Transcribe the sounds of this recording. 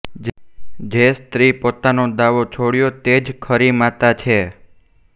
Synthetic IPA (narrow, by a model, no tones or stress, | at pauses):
d͡ʒest̪ɾipot̪anod̪aʋot͡ʃʰoɽjot̪ed͡ʒkʰəɾimat̪at͡ʃʰe